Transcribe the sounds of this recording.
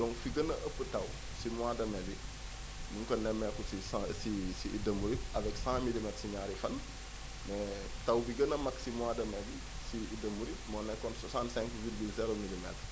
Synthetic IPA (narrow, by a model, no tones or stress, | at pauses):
dɔ̃ŋkfiɡənɐʔəpːətɐw | simwadɐmɛbi | nuŋkɐnɛmːɛkusissisḭːdɐmuɾiɐvɛksãmilimɛtsiɲaːɾifɐn | mɛ | tɐwbiɡɐnɐmɐksimuadɐmɛbi | siːdɐmuɾimɔnɛkɔntswasãntsɛ̃ŋkvilɡilsɛɾɔmilimɛ̰tɾ